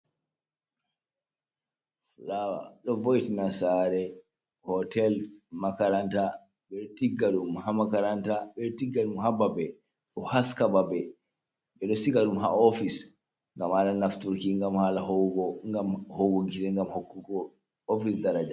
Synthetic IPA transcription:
flawa̰ɗɔvojtinasaɾɛ | hɔtʰɛlmakaɾanta | ɓɛɗɔtiɡːaɗumhamakaɾantaɓɛɗɔtiɡːaɗumhababɛ | ɗɔhaskababɛ | ɓɛɗɔsikaɗumɦa̰ofis | ŋɡamhalanaftuɾkiŋɡamhalahɔɔŋɡamhowɡoɡiɾɛŋɡamhokːukɔ | ofisdaɾad͡ʒa

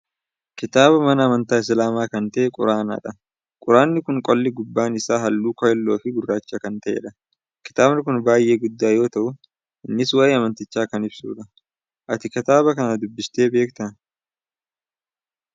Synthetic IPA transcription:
kɪt̪aːbɐmɐnɐːmɐnt̪aːɪs̬laːmaːkɐnt̪ɐʔɛkʼʊ̰ɾaːna̰ːᶑɐ | kʼʊɾaːnːɪkʊŋkʼɔlːɪɡʊbːaːnɪsaːɦɐlːuːkɔjɛlːo̞ːfɪɡʊrːaːt͡ʃːakɐnt̪ɐʔḛːᶑɐ | kɪ̥t̪aːbnɪkʊnbaːjʔe̞ːɡʊd̪ːaːjo̞ːt̪ɐʔʊ | ɪnːɪswɐʔɪɐmɐnt̪ɪt͡ʃːaːkɐnɪbsṵːᶑɐ | ʔɐt̪ɪkɪt̪aːβɐkɐnɐd̪ʊbːɪst̪e̞ːbe̞ːkt̪ɐn

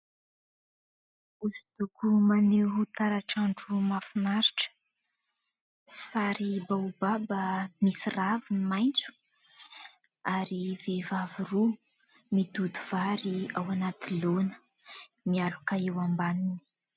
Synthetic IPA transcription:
usid̪ukumaneɦut̪aɾaʈ͡ʂaɳɖ͡ʐumafinaɾiʈ͡ʂə̥ | saɾibaubabamisiravinimajnt͡su̥ | aɾivevaviru | mid̪ud̪uv̥aɾiawanat̪ilonə̥ | mialukaewambanini̥

